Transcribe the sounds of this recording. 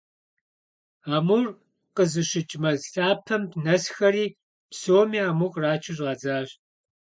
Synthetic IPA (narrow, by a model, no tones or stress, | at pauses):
aːmur | qəzɨɕɪt͡ʃʼmɐzɬaːpʰɐmpʰnɐsxɐɾiː | psoːmiːaːmuqʼraːt͡ʃʰɪʒʁɑːd͡zaːɕ